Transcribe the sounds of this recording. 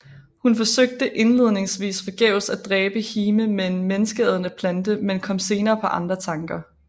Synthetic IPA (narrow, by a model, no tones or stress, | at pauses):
hunfɒ̽søɡ̥̚d̥əʔe̝nle̝ð̞̰ˠne̝ŋsʋḭːsfɒ̽ɡ̥ɛʊ̰sæd̥ʁɛːb̥əhiːməmenmenəsɡ̥eðˠnəpʰlænd̥əmenkʰɒ̽m̰se̝ːnɐːpʰɒ̽ʔɑ̈nd̥ʁɐt͡sʰɑ̈ŋɡ̥ɐ